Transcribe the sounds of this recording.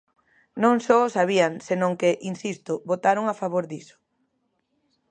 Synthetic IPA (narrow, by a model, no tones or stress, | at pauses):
nõŋsɔsaβiaŋsenõŋkeʔinsist̪ʊβot̪aɾoŋafaβoɾðisʊ̥